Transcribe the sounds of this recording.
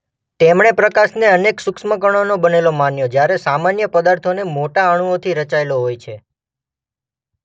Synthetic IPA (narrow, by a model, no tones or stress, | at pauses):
t̪emɳepɾəkaʃneəneksʊksmək̬əɽ̃onobənelomanjod͡ʒjaɾesamanjəpəd̪aɾt̪ʰonemoʈaəɽ̃uot̪ʰiɾət͡ʃaeloɦojt͡ʃʰe